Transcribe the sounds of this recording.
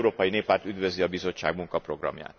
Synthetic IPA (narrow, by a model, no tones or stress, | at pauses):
ɾoːpɒjineːpːaːrt̪yd̪ʋø̞ziɒbizo̞t͡ʃːa̰ːɡmuŋkɒpro̞ɡrɒ̰mja̰ːt̪